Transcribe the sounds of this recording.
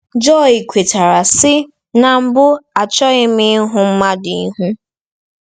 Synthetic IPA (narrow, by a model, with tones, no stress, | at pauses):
d͡ʒɔ˦˨i˨kʷʰe˨ta˨ɾa˨sɪ˦ | na˨m̩˦bʊ˦a˨t͡ʃɔ˦ɪ˦mɪ˦ɦʊ˦m̩˦ma˦dɪ˨˦ɦu˦